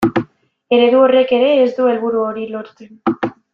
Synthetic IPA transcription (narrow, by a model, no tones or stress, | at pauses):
e̞ɾe̞ðuo̞re̞ke̞ɾe̞ːzd̪ue̞lβ̞uɾuo̞ɾilo̞ɾt͡sen